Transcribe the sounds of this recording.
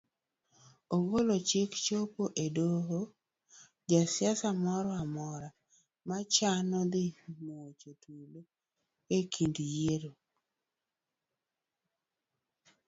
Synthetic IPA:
oɡolot͡ʃɪkt͡ʃopoʔedoɦo | d͡ʒasɪasamɔɾɔamɔɾa | mat͡ʃanɔd̪ɪmoot͡ʃotʰule | ekʰindjeɾo

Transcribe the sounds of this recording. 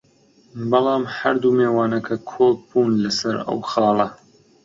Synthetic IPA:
bɐlˠɑːmhɐɾd̪umeːwɑːnɐkʰɐkʰoːk̚buːnlɐsɐɾɐ̰wxɑːlˠɐ

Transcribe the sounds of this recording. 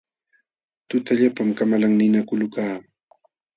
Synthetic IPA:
t̪ʊt̪aʎapamkamalaŋnɪnakʊlʊkaː

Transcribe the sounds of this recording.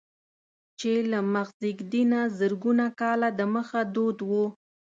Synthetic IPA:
t͡ʃelamaxziɡd̪inazəɾɡunakɑlad̪əməxad̪od̪wu

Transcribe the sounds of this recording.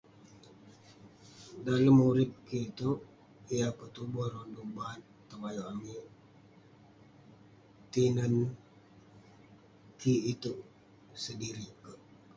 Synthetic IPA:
daləmːuɾɪp̚kiːt̪uʔ | ijapət̪ubɔronduŋbat̪ːəmajoʔamiʔ | t̪inən | kʰiːt̪uʔ | sədiɾikə

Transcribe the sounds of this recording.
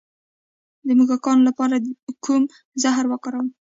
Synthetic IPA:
d̪əmuɡɑkɑnlapɑɾakum | zaɦɾwəkəɾəw

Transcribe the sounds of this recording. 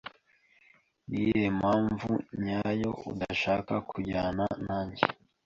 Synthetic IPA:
nijemaːɱvuɲaːjo̞ṵdaʃaːkakʰuɟaːnanaːɲɟḛ

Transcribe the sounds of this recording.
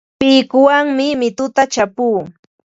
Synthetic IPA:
pɪjkʊwaŋmɪmɪt̪ʊt̪at͡ʃapuː

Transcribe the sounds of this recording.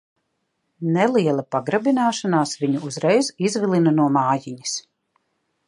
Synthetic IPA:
nɛlˠiɛlˠɐpaɡɾabinaːʃanaːsviɲuːzɾɛjzizvilˠinɐnuɔmaːjiɲi̥s

